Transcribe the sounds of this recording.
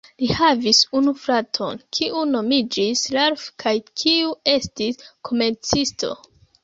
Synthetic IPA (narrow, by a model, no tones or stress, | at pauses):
lihavisunufɾatʰo̞̰nkʰiuno̞mid͡ʒislaɾfkʰajkʰiue̞stiskʰo̞me̞ɾt͡sistʰo̞̰